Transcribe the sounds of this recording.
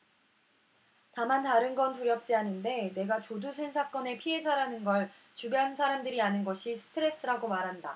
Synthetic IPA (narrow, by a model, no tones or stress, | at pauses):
tamantaɾɯnɡʌnpuɾjʌp̚t͡ɕ͈ianɯnde̞ne̞ɡat͡ɕodusʰe̞nsʰak͈ʌne̞pʰie̞d͡ʑaɾanɯnɡʌɭ | t͡ɕubjʌnsʰaɾamdɯɾianɯnɡʌɕʰisʰɯ̥tʰɯɾe̞s͈ɯɾaɡomaɾɦanda